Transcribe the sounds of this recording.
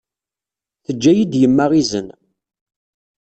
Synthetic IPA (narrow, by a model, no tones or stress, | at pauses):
θəd͡ʒːæjid̪jəmːaʁizə̰n